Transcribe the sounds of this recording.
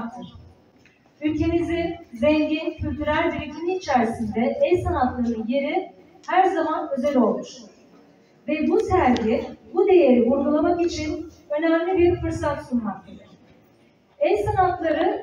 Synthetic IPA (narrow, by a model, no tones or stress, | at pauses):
kt̪ʰɯɾ̥ | ylʲcʰe̞mizizɛɲɟincʰylʲt̪ʰyɾælʲb̪iɾic̪ʲʰiniːt͡ʃʰæɾsind̪ɛʔɛlʲsanat̪lˠaɾɯnje̞ɾi | hæɾzamanø̞zælʲo̞lˠmuʃ | vɛbusæɾɟibud̪e̞je̞ɾivuɾɡulˠamakit͡ʃʰin | ø̞næmlʲibiɾfɯɾsat̪sunmak̚t̪ʰad̪ɯɾ̥ | ɛlʲsanat̪lˠaɾɯ